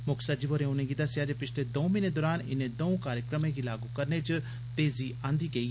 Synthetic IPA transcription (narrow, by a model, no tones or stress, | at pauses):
mʊksad͡ʒiʋoːɾẽʊnẽɡid̪ɐsjaːd͡ʒepɪt͡ʃʰled̪oːmɪned̪ɔːɾaːnɪ̰nẽd̪oũkaːɾjəkɾəmẽɡilaːɡukɐɾnet͡ʃ | t̪eːziãːnd̪iɡeiː